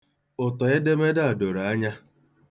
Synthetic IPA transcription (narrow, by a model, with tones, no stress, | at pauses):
ʊ˨tɔ˨ɪ˦de˦me˦da˦a˨do˨ɾa˦ɲa˦